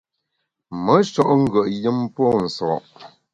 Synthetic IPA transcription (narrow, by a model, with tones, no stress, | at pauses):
mə˨˦ʃɔ˦ʔŋ̩˦ɡə˨ʔjə˦mpɔ˦n̩˨sɔ̰˨ʔ